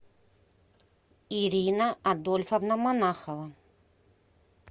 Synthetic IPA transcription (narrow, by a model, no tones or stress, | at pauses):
iɾʲinɐad̪olʲfɐvnɐmanaxɐvɐ